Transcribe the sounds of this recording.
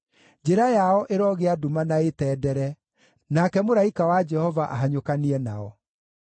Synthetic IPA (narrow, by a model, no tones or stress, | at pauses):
d͡ʒeɾajaɔʔeɾɔɣeadumanaetɛːdɛɾɛ | nakɛmoɾaikawad͡ʒɛhɔvaʔa̰ɦaɲokaniɛnaɔ